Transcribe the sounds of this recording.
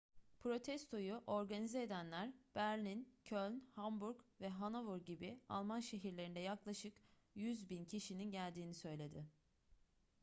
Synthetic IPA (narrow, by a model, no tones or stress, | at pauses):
pʰɾo̞t̪ʰɛst̪ʰo̞juʔo̞ɾɡanizeeːd̪ænlʲæɾb̥æɾlʲincʰølʲnhambuɾkvɛɦanavuɾɟibia̰lˠmanʃe̞ɦiɾlʲe̞ɾind̪ɛjaklˠaʃɯk | jyzbincʰiʃininɟælʲd̪iːnisø̞jlʲe̞d̪ɪ